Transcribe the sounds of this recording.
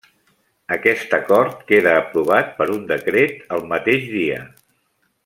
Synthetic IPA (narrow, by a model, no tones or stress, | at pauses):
əkɛst̪əkɔɾt̪keðəːpɾuβ̞at̪̚pəɾund̪əkɾet̪əlˠmət̪eʒðiə̰